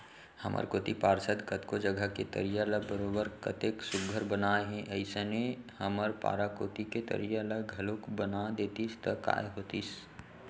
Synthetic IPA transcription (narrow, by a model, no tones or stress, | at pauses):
hɐ̰mʔə̰ɾkoːt̪ipaːɾsəd̪kət̪kod͡ʒəɡʱəket̪ə̰ɾijaləɡbəɾoːbəɾkɐt̪eːksʊɡʱəɾbənaːeɦɛ̃ʔɐɪsenehəməɾpa̰ːɾakoːt̪iket̪ə̰ɾijaləɡʱɐloːkbənad̪eːt̪ist̪əka̰ːeɦoːt̪is